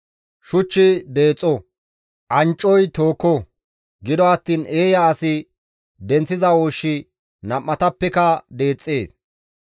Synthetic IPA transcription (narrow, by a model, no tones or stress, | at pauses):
ʃʊt͡ʃːɪd̪e̞ːt͡sʼːɔ | ʔɐnt͡ʃʼːɔjt̪o̞ːkːɔ | ɡɪd̪ɔɐt̪ːiːne̞ːjɐːsɪ | d̪ɛnt͡sːɪzɐwoːʃːɪ | nɐmːɐt̪ɐpːɛkɐd̪e̞ːt͡sʼːeːs